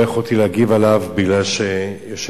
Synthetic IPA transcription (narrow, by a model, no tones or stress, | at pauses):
eχot̪ileaɡivalavbiɡlalʃejɛʃ